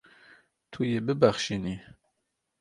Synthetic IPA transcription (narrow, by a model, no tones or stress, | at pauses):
t̪ʰujebɨbæχʃini